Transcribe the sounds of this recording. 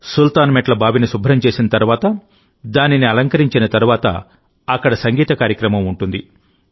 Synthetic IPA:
sult̪aːnmɛʈlɐbʱaːʋinisubʱɾɐmt͡ʃe̞ːsinɐt̪ɐɾuʋaːt̪ɐ | d̪aːniniɐlɐŋkɐɾiɲt͡ʃinɐt̪ɐɾuʋaːt̪ɐ̰ | ɐkːɐɽɐsɐŋɡiːt̪ɐkaːɾjɐkɾɐmɐmuɳʈund̪i

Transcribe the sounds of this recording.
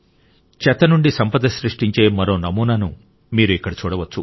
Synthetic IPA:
t͡ʃɛt̪ɐnuɳɖisɐmpɐd̪ɐsɾiʂʈiɲt͡ʃe̞ːmɐɾo̞ːnɐmuːnaːnu | miːɾuikːɐɽɐt͡ʃuːɽɐʋɐt͡ʃːu

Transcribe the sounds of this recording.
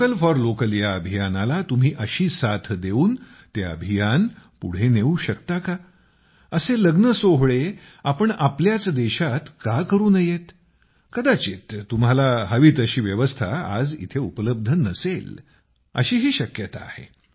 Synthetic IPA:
kəlfɔɾlokəljaəbʱijanalat̪um̤iːʔəɕiːsat̪ʰd̪euːn | t̪eə̰bʱijanpṵɽ̤eneuɕəkt̪aka | əseləɡnəsoɦɭe | apəɳapljat͡sd̪eɕat̪kakəɾuːnəjet̪ | kəd̪at͡ɕit̪ːum̤alaɦəʋiːt̪əɕiːʋjəʋəst̪ʰaa̰d͡zḭt̪ʰeupələb̚d̪ʱənəsel | ə̰ɕiːɦiːɕəkjət̪aːhḛ

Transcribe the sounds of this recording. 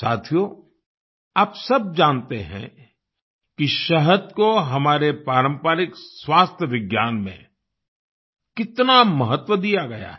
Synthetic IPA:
saːt̪ʰijo | aːpsɐb̚d͡ʒaːnt̪eɦɛ̰̃ | kiʃɐɦəd̪koɦɐmaːɾepɾaːɾə̃mpaːɾɪkswaːst̪ʰjəʋɪɡjaːnmḛ̃ | kɪt̪namɐɦət̪ʋəd̪ijaɡɐja̰

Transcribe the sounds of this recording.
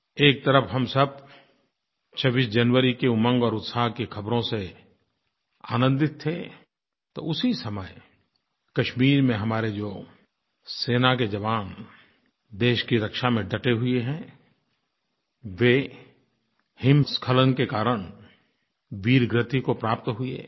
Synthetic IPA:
eːk̚t̪əɾəfɦɐmsəb̚ | t͡ʃʰəbiːsd͡ʒɐnʋəɾikeʊmə̃ŋɡɔːɾʊt̪saːɦkekʰɐbɾõse | a̰ːnə̃nd̪ɪt̪ʰːe | t̪o̰ʊsisɐməj | kɐʃmiːɾmẽɦɐmaːɾed͡ʒoː | seːnak̬ed͡ʒɐʋaːn | d̪eːʃkiɾɐkʃamẽɖɐʈeɦʊeɦɛ̃ | ʋe | hɪmskʰələnkekaːɾəɽ̃ | ʋiːɾɡɾɪt̪ʰikopɾaːp̚t̪ɦʊḛ

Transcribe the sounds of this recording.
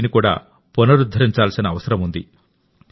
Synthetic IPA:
nikuːɽa̰ː | punɐɾud̪ʱɐɾiɲt͡ʃaːlsinɐːʋɐsɐɾɐmund̪ḭ

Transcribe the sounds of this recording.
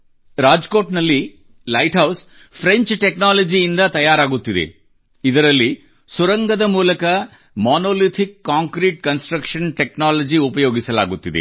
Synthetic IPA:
ɾaːd͡ʒko̞ːʈnɐlːi | lɐjʈɦɐws | pʰɾeɲt͡ʃʈeknaːlɐd͡ʒijind̪ɐt̪ɐjaːɾaːɡut̪ːid̪ḛ | id̪ɐɾɐlːi | suɾɐŋɡɐd̪ɐmuːlɐkɐ | maːnoːlit̪ʰikːaːŋkɾiːʈ̚kɐnsʈɾɐkʂɐnʈeknaːlɐd͡ʒiupɐjo̞ːɡisɐla̰ːɡut̪ːid̪ḛ

